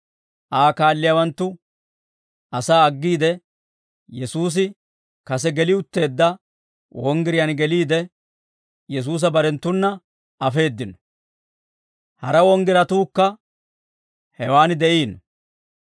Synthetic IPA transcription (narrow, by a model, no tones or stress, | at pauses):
ʔaːkaːlːɪjawɐnt̪ːʊ | ɐsaːɐɡːiːd̪ɛ | jɛsuːs̬ɪ | kɐsɛɡɛlɪʊt̪ːe̞ːd̪ːɐ | wʔɔŋɡɪɾɪjɐnɡɛliːd̪ɛ | jɛs̬uːs̬ɐbɐɾɛnt̪ːʊnːɐ | ɐfe̞ːd̪ːɪnɔ | hɐɾɐwɔŋɡɪɾɐt̪uːkːɐ | hɛwaːnɪd̪ɛʔiːn